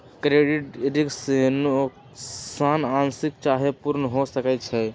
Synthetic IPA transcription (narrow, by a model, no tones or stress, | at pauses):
kɾeɖiʈiɖiksen | sanansik̚t͡ʃaɦepuɾnɦosəkɛt͡ʃʰɛ